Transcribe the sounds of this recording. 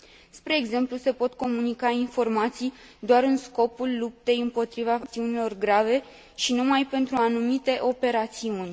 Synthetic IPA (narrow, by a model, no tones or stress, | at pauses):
spɾe̞ːɡze̞mpluse̞po̞t̪ko̞munikainfo̞rmat̪sij | d̪oaɾɨnsko̞pulːup̚t̪e̞jɨmpo̞t̪ɾivat̪iunilo̞rɡɾave̞ | ʃinumajpe̞nt̪ɾuanumit̪e̞ʔo̞pe̞ɾat̪siunʲ